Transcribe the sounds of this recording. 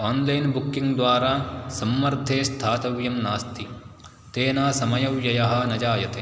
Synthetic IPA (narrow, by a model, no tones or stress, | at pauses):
oːnlɐjnbukːiŋɡd̪ʋaːɾaːsɐmːɐɾd̪ʱeːst̪ʰaːt̪ɐʋjɐmnaːst̪ʰi | t̪eːnaːsɐmɐjɐʋjɐjɐɦɐ̆nɐd͡ʒaːjɐt̪eː